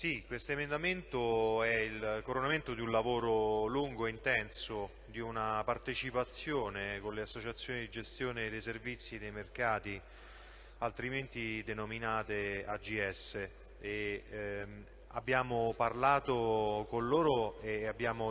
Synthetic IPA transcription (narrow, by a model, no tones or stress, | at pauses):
sikwest̪oemend̪ament̪oɛilkoɾonament̪od̪iunlavoːɾoluŋɡoeint̪ɛnso | d̪iunapart̪et͡ʃipat̪sːjoːnekonleasːot͡ʃat̪sːjoːnid̪id͡ʒest̪joːned̪ejservit̪sːid̪ejmerkaːt̪i | alt̪ɾiment̪id̪enominaːt̪ead͡ʒiɛsːe | e | abːjaːmoparlaːt̪okonloːɾoeabːjaːmo